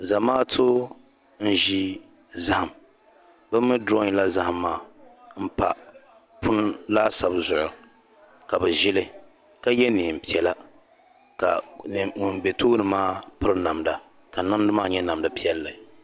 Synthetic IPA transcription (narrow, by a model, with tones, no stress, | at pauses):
za˨maː˦tʰo˦ | n̩˦ʒi˦ | za˦ha˨m | bɨ˦mːɨ˦dɾɔ˦ŋ˦la˦za˦ha˨mːaː˦˨m̩˦pa˨ | pʰʊ˦n˦laː˦sa˨bzʊ˨ʔʊ˨ | ka˨bɛ˨ʒɪ˦lɨ˦ | ka˦jɛ˦ni˨m̩˨pi˦ɛ˨la˦ | ka˨ŋʊ˨nbɛ˨tʰoː˦nɨ˨maː˦pɨ˦ɾna˨mda˨ | ka˨na˦m˦dɨ˦maː˦ɲɛ˦na˨mdɨ˨pi˦ɛ˦lːɨ˨